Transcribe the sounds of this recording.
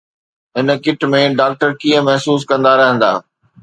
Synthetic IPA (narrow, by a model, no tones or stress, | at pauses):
ɦɪnəkɪʈmẽɖaːk̚ʈəɾkiːə̃mɐɦsuːs̬kɐ̃nd̪aɾɐɦə̃nd̪a̰ː